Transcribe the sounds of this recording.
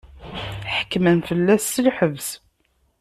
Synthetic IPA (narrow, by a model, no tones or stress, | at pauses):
ħə̥kːmənfəlːæsːilħəvs